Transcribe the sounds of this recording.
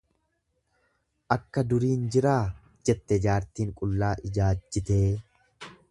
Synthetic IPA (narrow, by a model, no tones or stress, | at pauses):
ʔɐkːɐd̪ʊɾiːnd͡ʒɪɾaː | d͡ʒɛt̪ːɛd͡ʒaːɾt̪iːŋkʼʊlːaːʔɪd͡ʒaːd͡ʒːɪt̪eː